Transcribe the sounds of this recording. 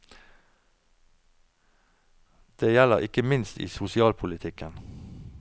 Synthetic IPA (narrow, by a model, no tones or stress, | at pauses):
d̪̥eːjæləʁɪkəmɪnst̪ḭːsʊsɪɑːlpʰʊlɪt̪ʰɪkən